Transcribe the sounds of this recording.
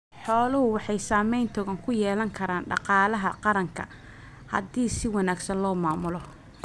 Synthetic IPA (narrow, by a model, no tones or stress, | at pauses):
ħɔːlʊhʊwɑħɑjsaːmɛjnt̪ʰɔɣɐŋkʰʊjɛːlɐŋkʰɐɾaːnɖɑ̰qɑːlɐɦɐqɑɾɐŋkʰɐ̰ | hɐ̰diːsɪwɑnaːɡsɐnlɔːmaːmʊlɔ